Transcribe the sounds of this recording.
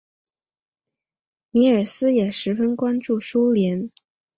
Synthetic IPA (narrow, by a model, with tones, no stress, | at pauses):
mi˧˥ə˞˨˩sɹ̩˥jɛ˨˩ʂɻ̩˧˥fə˥nkwa˥nʈ͡ʂu˥˩ʂu˥ljɛ˧˥n